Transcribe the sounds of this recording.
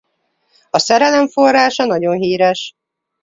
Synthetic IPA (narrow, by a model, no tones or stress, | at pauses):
ɒsɛɾɛlɛɱfo̞rːaːʃɒn̪ɒɟo̞nɦiːɾɛʃ